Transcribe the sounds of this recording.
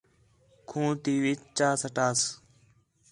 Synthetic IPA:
kʰũːt̪iːʋit͡ʃt͡ʃaːsəʈaːs

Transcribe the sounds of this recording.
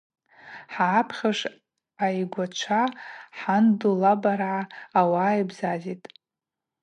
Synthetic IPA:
ħaːpʰχʲaʂ | ajɡʷat͡ʃʷʰaħandulabaɾʕaawaːjbzazitʼ

